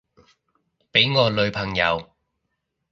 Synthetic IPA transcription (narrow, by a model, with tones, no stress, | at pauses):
pe˨˥jŋɔː˨˧lɵ˨˧ɥpʰɐ˨˩ŋjɐ̰˨˧w